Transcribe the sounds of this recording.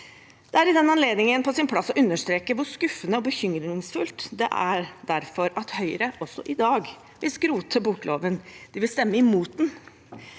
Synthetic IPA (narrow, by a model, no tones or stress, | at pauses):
d̪̥ɛæɾɪd̪ɛnɑnleːd̪nɪŋənpʰɔsɪnpʰlɑsːɔʔʉnːəʂt̪ɾeːkəʋʊɾskʉfːənəɔbəçʏmɾɪŋsfʉlt̪d̪ɛ̰ʔæ̰ɾd̪æɾfɔɾɑt̪hœʏɾəʔɔsːɔʔɪd̪ɑːɡ | ʋɪlskɾuːt̪ʰəbʊklo̰ːʋənd̪̥ɪʋɪlst̪ɛmːəɪmuːt̪̚d̪n